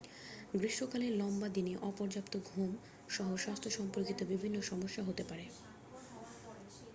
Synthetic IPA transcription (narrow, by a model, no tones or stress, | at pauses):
ɡɾiʃʈokaleɾlɔmbad̪ineʔɔpɔɾd͡ʑapt̪oɡʱum | ʃɔɦoʃast̪ʰoʃɔmpoɾkit̪obibʱinːoʃɔmoʃːaɦot̪epaɾe